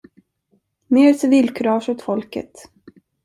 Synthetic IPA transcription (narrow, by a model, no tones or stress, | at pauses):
meːɾsɪviːlkʰɵɾɑːʂʊt̪fɔlkə̰t̪